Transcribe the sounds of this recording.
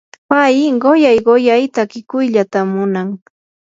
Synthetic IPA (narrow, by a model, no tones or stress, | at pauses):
pajɪɢojajɢojajt̪akɪkʊjʎat̪amʊnaŋ